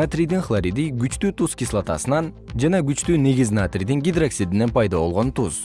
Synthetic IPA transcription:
at̪rʲijd̪inχlˠaɾʲid̪iɡyt͡ʃt̪yːt̪uskʲislˠat̪ɑ̰sɯnɑnd͡ʒɑnɑɡyt͡ʃt̪yːneɡʲiznat̪rʲid̪iŋɡʲid̪raksid̪ine̞npɑjd̪ɑbo̞lˠʁo̞nt̪uz̥

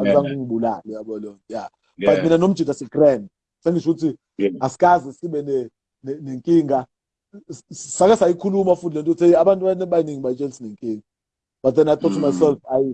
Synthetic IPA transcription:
azʼaŋuŋiɓula̰lɛjaɓɔlɔŋʼja | batminanom̩d̥ʒ̥ʱid̥ʱasɛɡ̥rɛnd | seŋit͡ʃʰuk̬utʰi | asi̥kʼazɛsiɓɛnɛ | nɛneŋkʼiːŋɡʱa | sak̬ʼɛsajikʰulumafuilɛntʼɔut͡sʰeiaɓantʼuɓanɛɓajiniŋiɓajit͡ʃʼelisineŋkʼiːŋa | b̥at̚d̪ɛnajt̪ʰɔtʰumajsɛlfaji

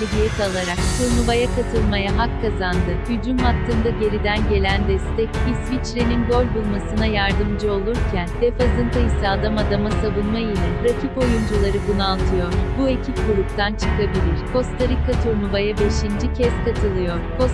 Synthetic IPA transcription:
edijɛkalˠaɾak̚t̪ʰuɾnuvajakʰat̪ʰɯlˠmajaɦakʰːazand̪ɯjyd͡ʒynmat̪ːɯnd̪aɟe̞ɾid̪ænɟe̞lʲænd̪ɛst̪ɛcisvit͡ʃɾeninɡo̞lʲbulˠmasɯnajaɾd̪ɯmd͡ʒɯo̞lˠuɾcʰænd̪̥efazɯnt̪ʰajisaad̪amad̪amasavunmailʲɛɾacʰipo̞jund͡ʒulˠaɾɯbunualˠt̪ʰɯjo̞ɾ̥bue̞cʰip̚ɡuɾupt̪ʰant͡ʃʰɯ̥kʰabilʲiɾ̥ko̞st̪ʰaɾikʰːat̪ʰuɾnuvajabe̞ʃind͡ʒicʰɛskʰat̪ʰɯlˠɯjo̞ɾ̥ko

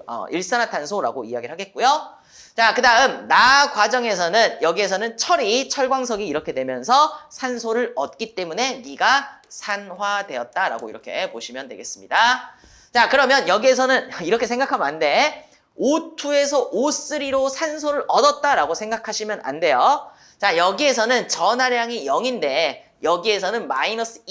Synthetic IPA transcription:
ʌ̰iɭs͈ʌnɦatʰansʰoɾa̰ɡoḭjaɡiɾɭɦaɡe̞t̚k͈ujo | t͡ɕakɯdaɯmnakwad͡ʑʌŋe̞s̬ʰʌnɯnjʌɡie̞sʰʌnɯnt͡ɕʰʌɾit͡ɕʰʌɭɡwaŋs̬ʰʌɡiːɾʌkʰe̞dwe̞mjʌnsʰʌsʰansʰoɾɯɾʌt̚k͈it͈e̞mune̞miɡasʰanwadwe̞ʌt̚t͈aɾa̰ɡoḭɾʌkʰe̞̰poɕʰimjʌndweɡe̞s͈ɯmɲida | t͡ɕakɯɾʌmjʌnjʌɡie̞s̬ʰʌnɯniɾʌkʰe̞sʰe̞ŋɡakʰamjande̞ | otʰue̞sʰʌʔos͈ɯɾiɾosʰansʰoɾɯɾʌdʌt̚t͈aɾaɡosʰeŋɡakʰaɕʰimjʌnʔa̰nde̞jo | t͡ɕajʌɡie̞s̬ʰʌnɯnt͡ɕʌnaɾjaŋijʌŋinde̞ | jʌɡie̞s̬ʰʌnɯnmainʌs͈ɯ

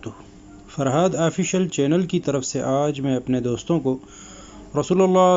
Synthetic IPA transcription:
fɐɾɦaːd̪aːfiʃəlt͡ʃɛːnəlkit̪ɐɾəfseʔaːd͡ʒmẽɐpned̪oːst̪õko | ɾɐsuːlɐlːaː

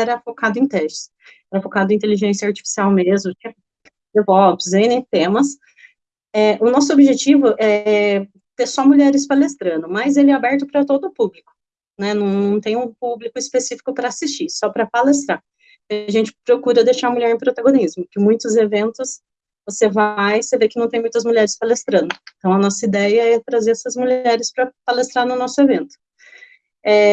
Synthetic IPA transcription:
ɛɾɐfokad̪ʊẽt̪ɛst͡ʃɪ̥s | ɛɾɐfokad̪ʊẽt̪eliʒẽsjɐaɾt͡ʃi̥fi̥siawmezmʊt͡ʃĩ | d̪evɔpɪsẽjnẽj̃t̪ẽmɐs | ɛʔʊnɔs̬ʊobiʒet͡ʃivʊʔɛɛ | t̪eɾsɔmuʎɛɾɪspalest̪ɾɐ̃nʊmɐzelɪɛabɛɾt̪ʊpɾɐt̪od̪ʊːpublikʊ̥ | nɛnɐ̃w̃nɐ̃w̃t̪ẽj̃ũpublikʊɪspesifi̥kʊpɾɐasist͡ʃisɔpɾɐpalest̪ɾa | ɐʒẽnt͡ʃɪ̥pɾokuɾɐd̪ejʃaɾmuʎɛɾẽj̃pɾot̪aɡõnizmʊkɪmũj̃t̪ʊzevẽnt̪ʊs | vosevajsevekɪnɐ̃w̃t̪ẽj̃mũj̃t̪ɐzmuʎʲɛɾɪspalest̪ɾɐ̃nʊẽt̪ɐ̃w̃ɐnɔsɐid̪ɛjɐɛt̪ɾazeɾɛsɐzmuʎɛɾɪspɾɐpalest̪ɾaɾnʊnɔsʊevẽnt̪ʊ̥ | ɛ

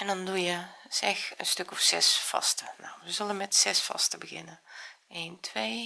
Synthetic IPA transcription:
ɛndɔndujəsɛxənstøkɔfsɛ̰sfɑ̰stəna̰wʋəzølənmɛtsɛsfɑ̰stəbəɣɪ̰nəeːntʰʋeː

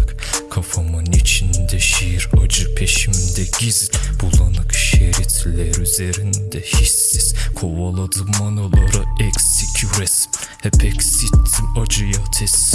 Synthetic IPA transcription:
k | kʰafamɯnit͡ʃʰind̪ɛʃejiɾad͡ʒɯpʰeʃimind̪ɛɟizb̥ulˠanɯkʃeɾit̪ʰlʲɛɾyzeɾind̪ɛhisːiz̥kʰovalˠad̪ɯmanalˠaɾɯɛksecʲʰuɾɛs | hɛpʰɛksit̪ʰːiad͡ʒɯjat̪ʰɛs

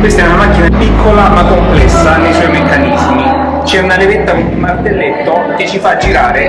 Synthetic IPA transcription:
kwest̪ɛunamakːinapikʰːolamakːomplɛsːanejsɔjmekːanizmi | t͡ʃɛunalevet̪ːavid̪imart̪elːet̪ːok̟et͡ʃːifad͡ʒːiɾaːɾe

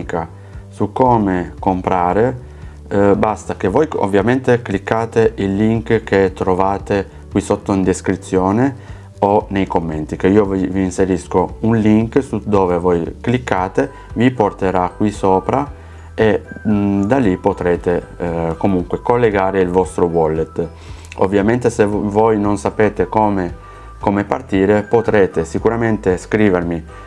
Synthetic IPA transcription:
ka | sukːoːmekompɾaːɾe | bast̪ak̟evojo̰vːjament̪eklikːaːt̪eʔilːiŋkk̟et̪ːɾovaːt̪e | kwisot̪ːoind̪eskɾit̪sːjoːne | onejkomːent̪ikeiːoviviːnseɾiskounliŋksud̪oːvevojklikːaːt̪e | viport̪eɾakːwisoːpɾa | e | d̪alːipːot̪ɾeːt̪ekomuŋkwekolːeɡaːɾeilvɔst̪ɾowɔlːet̪ | o̰vːjament̪esevojnonsapeːt̪ekoːme | komepart̪iːɾepot̪ɾeːt̪esikuɾament̪eskɾiːvermi

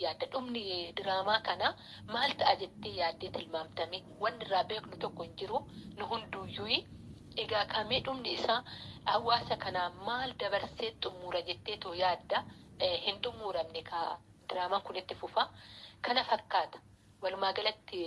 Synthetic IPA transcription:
jaːd̪ːɐᶑʊmnɪd̪ɪɾaːmaːkɐnaː | maːlt̪ɐʔad͡ʒɛt̪ːeːjaːd̪ːeːt̪ɪlmaːmt̪ɐme | wɐnːɪrːaːbeːknʊt̪ɔkːɔhɪnd͡ʒɪɾʊnʊɦʊnd̪ujuːjɪ | ɛɡaːkʰɐmeːᶑʊmnɪɪsaːhɐwːaːsɐkɐnaːmaːld̪ɐbɐɾseːt̪ʼʊmːuːɾɐd͡ʒɛt̪ːeːt̪ɔʊjaːd̪ːɐhɪnt̪ʼʊmːuːɾɐmnɛkɐ | d̪ɪɾaːmaːŋkʊnɪt̪ːɪfʊfɐkɐnɐfɐkːaːt̪ɐ̥ | wɐlʊmaːɡɐlɐt̪ːɪ

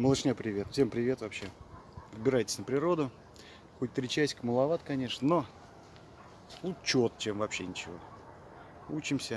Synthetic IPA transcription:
məlˠɨʂnʲapɾʲɪvʲe̞t̪fsʲe̞mpɾʲɪvʲe̞t̪vɐpɕːevɨbʲɪɾajtʲɪ̥sʲnəpɾʲɪɾo̞d̪ʊ | xot̚ʲt̪ɾʲɪt͡ɕæsʲkəməlˠɐvat̪kɐnʲe̞ʂnəno̞ | lˠut͡ɕːot̪t͡ɕemvɐpɕːenʲɪt͡ɕɪvo̞̰ | ut͡ɕɪmsʲə

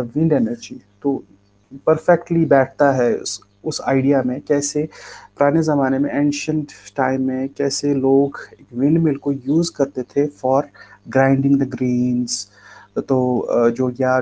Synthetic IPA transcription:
ʋɪ̃ɳɖɛːnəɾd͡ʒit̪oː | pɐɾfɛk̚ʈlibɛːʈʰt̪aɦɛʊ̰s | ʊsa̰ːɪɖijamẽkɛːsepʊɾaːnezɐmaːnemẽʔẽːnʃə̃ɳʈʈaːɪ̃mːẽkɛːseloːɡeːkʋɪ̃ɳɖmɪlkojuːzkɐɾt̪et̪ʰefɔːɾɡɾãːɪ̃ɳɖɪ̃ŋɡd̪əɡɾĩːnz | t̪oːd͡ʒoːɡja

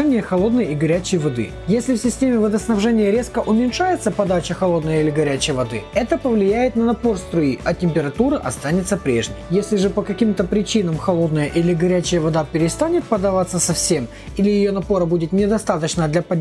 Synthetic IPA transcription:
nʲɪjəxɐlˠo̞d̪nəjiɡɐɾʲæt͡ɕɪjvɐd̪ɨ̰ | jesʲlʲɪfsʲɪsʲtʲemʲɪvəd̪əsnɐvʐɛnʲɪjəɾʲe̞skəʔʊmʲɪnʲʂajɪt̪səpɐd̪at͡ɕɪxɐlˠo̞d̪nəjəilʲɪɡɐɾʲæt͡ɕɪjvɐd̪ɨ̰ɛt̪əpəvlʲɪjæjɪt̪nɐnɐpo̞rst̪ɾʊiʔɐtʲɪmʲpʲɪɾɐt̪uɾɨʔɐ̰st̪anʲɪt̪səpɾʲe̞̰ʐnʲɪ̰jjesʲlʲɪʐɨpəkɐkʲimt̪əpɾʲɪt͡ɕinəmxɐlˠo̞d̪nəjəʔilʲɪɡɐɾʲæt͡ɕɪjəvɐd̪apʲɪɾʲɪst̪anʲɪt̪̚pəd̪ɐvat̪sːəsɐfsʲem | ilʲɪjɪjo̞nɐpo̞ɾəbudʲɪt̪nʲɪd̪ɐst̪at̪ət͡ɕnəd̪lʲɐpɐdʲ

